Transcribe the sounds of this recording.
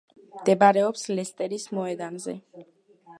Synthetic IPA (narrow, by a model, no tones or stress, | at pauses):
md̪ɛbaɾɛɔpslɛst̪ʼɛɾismɔɛd̪anzɛ̰